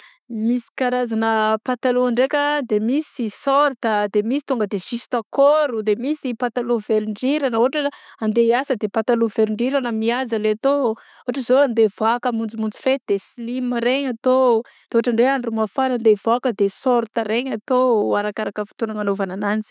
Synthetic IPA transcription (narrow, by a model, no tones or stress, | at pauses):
misi̥kaɾazanəpat̪aluaɳɖ͡ʐekʲəd̪emisisɔɾt̪əd̪emisi̥t̪uŋɡəd̪esisi̥t̪akoɾud̪emisipat̪aluvelɳɖ͡ʐiɾanəoaʈ͡ʂəand̪easəd̪epat̪aluveliɳɖ͡ʐiɾanəmiazəleat̪o | oaʈ͡ʂəzoand̪evakəmund͡zimund͡zi̥fed̪̥esilimaɾeɲat̪o | d̪̥eoaʈ͡ʂaɳɖ͡ʐeanrumafaɾand̪ev̥akəd̪esɔɾt̪əɾeɲat̪oaɾakaɾakəfi̥t̪unaŋanovananand͡zi̥